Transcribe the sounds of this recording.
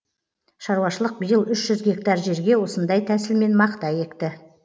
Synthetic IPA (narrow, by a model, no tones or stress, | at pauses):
ʃɑɾwɑʃəlˠəq̚bəjəlˠʏʃʒ̥ʏzɡʲe̞k̚t̪ɑɾʒe̞ɾɡʲewo̞sənd̪ɑjt̪ʰæsɪlme̞nmɑqt̪ɑje̞kt̪ɪ